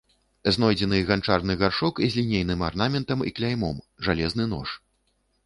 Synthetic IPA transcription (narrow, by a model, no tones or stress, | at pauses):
znɔjd͡zʲɛnɨɣant͡ʂarnɨɣarʂɔkizʲlʲinʲejnɨmarnamʲɛnt̪ɐmḭklʲajmɔm | ʐalʲɛznɨn̪ɔ̰ʂ